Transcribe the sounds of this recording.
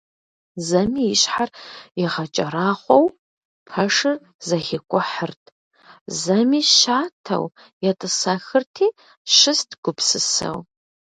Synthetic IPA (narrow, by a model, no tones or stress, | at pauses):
zɐmiːjɪɕħarjɪʁɐt͡ʃʼɐɾaːχʷɔw | pʰɐʂɨr | zɐxɪkʷʼʊħərtʰʼ | zɐmiːʃaːtʰɐ̰w | jɛtʼɨsaxɨrtʰiː | ʃɪstʰɡ̥ʷʊpsɨsɐ̰w